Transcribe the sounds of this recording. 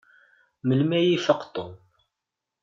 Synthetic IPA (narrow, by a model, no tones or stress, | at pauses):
məlmæjifɑqt̪ˤːom